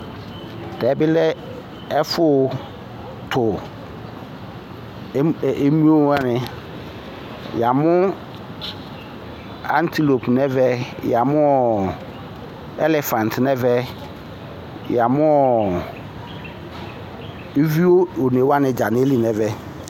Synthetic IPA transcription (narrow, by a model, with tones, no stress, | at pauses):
d̥ɛː˨˦bɪ˦lɛ˦ | ɛ˦fʊ˦˨ | tʰʊ˨˦˨ | e˦mũ˦o˦a˦nɪ̃˨ | ja˨mʊ̃˦ | ã̰˦n˦tʰi˦lo˨pnɛ˦vɛ˦ja˨mʊ̃˦ɔ˨ | ɛ̰˦lɛ˨fã˨n˨tʰnɛ̃˦vɛ˦ | ja˨mʊ̃˦ɔ˨ | e˦vi˦o˦o˨ne˨wa˦nɪ̃˦d͡ʑa˨nɪ̃˦e˦li˨nɛ̃˦vɛ˦